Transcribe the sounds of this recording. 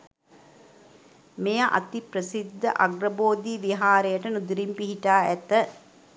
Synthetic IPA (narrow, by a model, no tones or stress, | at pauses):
mejəʔa̰t̪ipɾəsid̪ːə̰ʔaɡɾəboːd̪iʋiɦaːɾejəʈənud̪iɾimpiɦiʈaːæt̪ə